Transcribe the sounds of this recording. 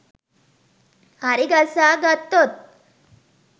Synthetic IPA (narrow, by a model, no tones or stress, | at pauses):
aɾiɡasaɡat̪ːot̪̚